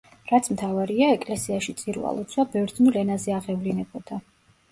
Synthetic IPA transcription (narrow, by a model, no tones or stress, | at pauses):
ɾat̪sʰmt̪ʰavaɾiaɛkʼlɛsiaʃit̪sʼiɾṵa̰lˠɔt̪sʰwabɛvɾd̪znulɛnazɛaʁɛvlinɛbɔd̪̥a